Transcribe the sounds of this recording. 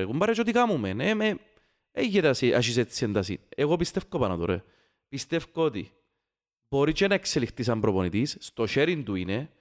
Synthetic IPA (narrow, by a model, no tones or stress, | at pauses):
eɣumbɐɾɐt͡ʃot̪ikamumeneme | eʝːet̪ɐsiʔɐ̰ʃ̬is̬et͡sːiend̪ɐsḭneɣopist̪efkopɐnɐt̪uɾḛ | pist̪efkot̪ḭ | boɾit͡ʃenɐekselixt̪is̬ɐmpɾoponit̪isst̪oʃeɾint̪uine